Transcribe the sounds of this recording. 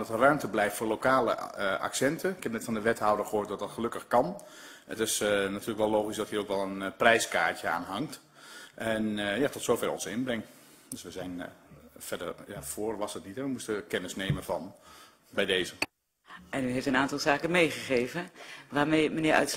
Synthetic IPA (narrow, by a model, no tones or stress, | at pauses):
dɑtərœɥmtəblɛjftfoːɹlokaːlə̰ʔa̰ksɛntʰəɪkhɛp̚nɛtfɑndəʋɛthɔwdəɹxəɦoːt̚dɑt̚dɑtxəlɵkəxkɑnətɪsnatʰyːrləkʋɛlˠoːxisdɔthiːowkʋɛlˠənprɛjskaːɹtjəa̰ːnɦɑŋt | ʔɛnjatɔtsowfɛrɔ̰nsɪnbrɪŋt | døsʋəzɛjnfɛdərjafoːrʋɑsətnitɛʋəmustəkɛnəsneːmənfɑn | bɛjdeːzə | ʔɛnyɦeftənaːntɑlˠzaːkəmejχəχejvənʋaːɹmejmənɪːʔœ̰ts